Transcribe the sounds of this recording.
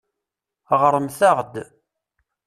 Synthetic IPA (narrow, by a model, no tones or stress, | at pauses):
ʁɾˤəmθæʁd̪